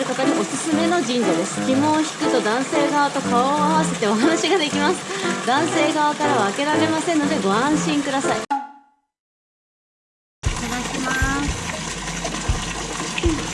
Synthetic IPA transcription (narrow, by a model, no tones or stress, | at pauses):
ɾɯ̟kat̪aɲ̟iʔo̞sɨsɨme̞no̞d͡ʑĩɲ̟d͡ʑad̪e̞sɨ̥ɡʲimõ̞ːçi̥kɯ̟t̪o̞d̪ãɰ̃se̞ːɡaβat̪o̞kaoːaβ̞ase̞t̪e̞o̞ɦanaɕiɡad̪e̞kʲimasɨ̥d̪ãɰ̃se̞ːɡaβakaɾaβaːke̞ɾaɾe̞masẽnːo̞d̪e̞ɡo̞ãɰ̃ɕĩŋkɯ̟d̪asai | t̪aɡakʲimasɨ